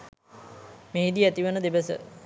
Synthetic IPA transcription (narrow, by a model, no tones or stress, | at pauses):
meɦid̪iæt̪iʋənəd̪ebəsə̰